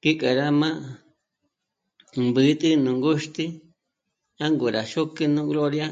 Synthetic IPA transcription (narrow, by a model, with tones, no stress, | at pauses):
ki˦kʼa˨ɾa˦mã˦ | mbɨ˨˦t̪ʼɨ˦nũ˨ŋɡu˦ʃt̪i˦ | ã˦ŋɡu˨ɾa˨ʃu˦kɨ˦nũ˦ɣlo˦ɾja˦